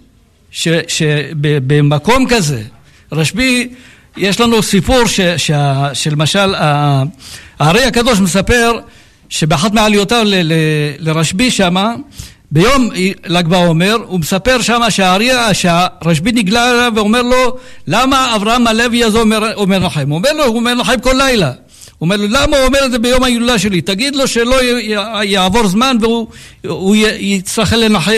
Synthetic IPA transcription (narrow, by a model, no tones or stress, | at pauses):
ʃeʃebebemako̞mkaze̞ | ʁaʃbi | je̞ʃlanusipuʁʃeʃeaʃelmaʃala | aːʁiakad̪o̞ʃmesape̞ʁ | ʃe̞beaħat̪meʕalijot̪avleleleʁaʃbiʃama | bejo̞milakbaome̞ʁumesape̞ʁʃamaʃeaʁiʃeaʁaʃbiniɡlalaveome̞ʁlo̞lamaːvʁahamaleviazoeomeʁnaħemuome̞ʁlouomeʁnaħemko̞lːajla | uome̞ʁlolamauome̞ʁed̪zebejomhajilulaʃe̞lit̪aɡid̪lo̞ʃe̞lo̞jaʕvo̞ʁzmanveuujjit͡sɾaχelːenaħem